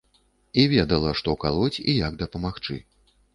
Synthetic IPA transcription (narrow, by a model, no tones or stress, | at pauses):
ivʲɛd̪ɐlˠɐʂt̪ɔkalˠɔt͡sʲijaɡd̪ɐpɐmaxt͡ʂɨ̰